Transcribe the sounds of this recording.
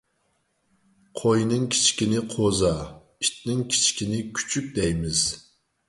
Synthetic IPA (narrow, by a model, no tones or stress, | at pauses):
qʰojnɨŋkʲʰi̥t͡ʃkʲinɪqʰozɑ | iʃt̪nɪŋkʲʰi̥t͡ʃkʲinɪkʲʰy̥t͡ʃʰyp̚d̪ɛjmɪz̥